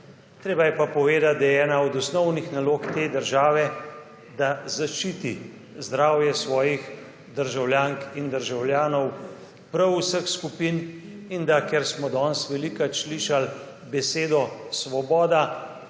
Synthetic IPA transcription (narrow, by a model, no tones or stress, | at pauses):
t̪ɾeːbajɛpapɔʋeːd̪at̪̚d̪ɛjɛːnaɔd̪ɔsnɔwnixnaloːkt̪eːd̪əɾʒaːʋɛ | d̪azaʃt͡ʃiːt̪i | zd̪ɾaːwjɛsʋɔːjix | d̪əɾʒawljaːŋkind̪əɾʒawlʲjaːnɔw | pɾəwsəxskupiːn | ind̪akɛɾsmɔd̪ɔːnsʋɛlikat͡ʃliːʃal | bɛseːd̪ɔsʋɔbɔːd̪a